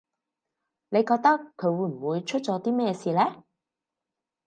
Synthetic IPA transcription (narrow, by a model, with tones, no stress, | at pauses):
ne˨˧jkɔː˧k̚t̪ɐ˥kʰːɵ˨˧ɥwuː˨˧jm̩˨˩wuː˨˧jt͡ʃʰɵ˥t̚t͡ʃɔː˨˥t̪iː˥mɛː˥jsiː˧lɛː˥